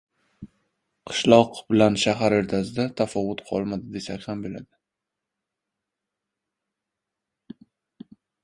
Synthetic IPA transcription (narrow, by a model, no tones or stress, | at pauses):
qʰɨ̥ʃlˠɒqbɪlanʃaɦaɾeɾt̪ʰazɪd̪at̪ʰafɒvːʊt̪qʰɒ̰lˠmad̪ɪd̪e̞sakʲhambɪla̰d̪ɪ